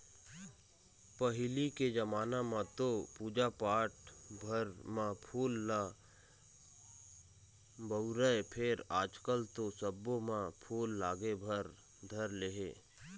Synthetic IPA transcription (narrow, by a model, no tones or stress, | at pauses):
pəɦɪliked͡ʒəmaːnamãt̪opuːd͡ʒapaːʈbʱəɾmãpʰuːlːa | bəʊɾəepʰɪɾaːd͡ʒkəlt̪osəbõmãpʰuːlːaːɡebʱəɾ | d̪ʱəɾleːɦeː